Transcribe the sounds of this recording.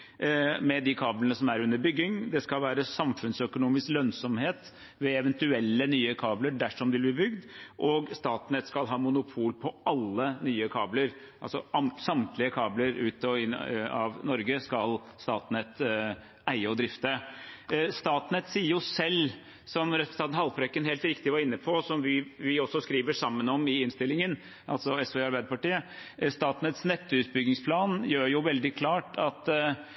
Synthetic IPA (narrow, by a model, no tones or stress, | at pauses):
mɛd̪ɪkʰɑːblənəsɔmæɾʉnːəɾbʏɡːɪŋd̪ɛskɑlʋæːɾəsɑmfʉnsœkʊnuːmɪsklœnsɔmheːt̪ | ʋɛɛʋɛnt̪ʉɛlːənyːəkʰɑːbləɖæʂɔmd̪ɪlb̪ɪbʏɡd̪ʔɔɡst̪ɑːt̪nɛt̪skɑlɦɑːmʊnʊpʰuːlpʰɔɑlːənyːəkʰɑːbləɾ | ʔɑ̰lsɔɑmsɑmt̪lɪəkʰɑːbləɾʉːt̪ɔɪɑ̰ʋnɔɾɡəskɑl | st̪ɑ̰ːt̪nɛt̪ | æɪəɔd̪ɾɪft̪ə | st̪ɑːt̪nɛt̪siːəɾjʊsɛlː | sɔmɾɛʉst̪ɑːt̪nhɑlpɾœkːənɦeːlt̪ɾɪkt̪ɪʋɑɾɪnːəpʰɔsɔmʋɪʋɪɔsːɔskɾiːʋəʂɑmːənɔmɪɪnst̪ɪlːɪŋən | ʔɑ̰lsɔɛsʋɛːɑɾbæɪd̪əpɑʈiːəst̪ɑːt̪nət̪snɛt̪ːəʉːt̪̚bʏɡɪŋspʰlɑːnjøːɾjʊʋɛld̪ɪkʰlɑːʈɑt̪